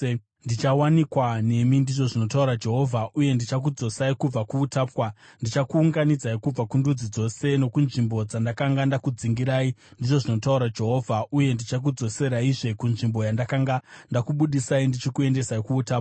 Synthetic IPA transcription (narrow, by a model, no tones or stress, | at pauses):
ndit͡ʃawanikwane̞mindiʐo̞ʐino̞tauɾad͡ʒe̞ɦo̞vʱaʔuje̞ndit͡ʃak̬ud͡zo̞saikub͡vakuːtaːpwandit͡ʃakuːŋɡanid͡zaikub͡vakundud͡zid͡zo̞se̞no̞kunʐimbo̞d͡zandakaŋɡandakud͡ziŋɡiɾaːindiʐo̞ʐino̞tauɾad͡ʒe̞ɦo̞vʱauje̞ndit͡ʃak̬ud͡zo̞se̞ɾaiʐe̞kunʐimbo̞jandakaŋɡandakuɓuɗisaindit͡ʃikue̞nde̞saikuːtaːpwa